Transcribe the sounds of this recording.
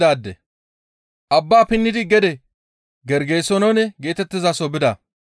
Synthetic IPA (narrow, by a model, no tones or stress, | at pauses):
aːd̪ːɛ̰ | ʔɐbːaːpɪnːɪd̪ɪɡɛd̪ɛ | ɡɛɾɡeːsɔnɐwnɛɡe̞ːt̪ɛt̪ːɪzasɔbɪd̪ɐ